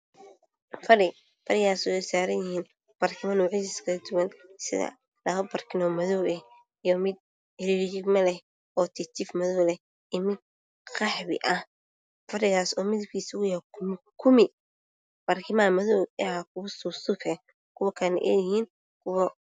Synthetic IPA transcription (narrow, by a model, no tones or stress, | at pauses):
fɐɾɪ | fɐɾɪɣaːsʊɛsaːɾɐnjɪhiːn | b̥aːrkʰɪmɐnuːʕɪsɪskʰɐɐd̪ʊwɐnsɪ̰ðɐ̰ | lɐɣɐbɐrkʰɪnɔːmɐðɔwɛ | ijɔmɪd̪̚ | ɛɾid͡ʒɪɡmɐlɛh | ɔːt̪ʰɪt̪ʰɪfmɐðɔwlɛ | ɪmɪ | qɑħβɪ̰ʔɐh | fɐɾɪɣaːsɔːmɪðɪb̚kʰiːsʊɣʊjaɾkʰʊm | kʰʊmɪ | b̥arkʰɪmamɐðɔwɛkʰʊsʊsʊkʰɛ | kʰʊwɐkʰɐnɛ̰ʔɛ̰ːjɪhiːn | kʰʊwɐ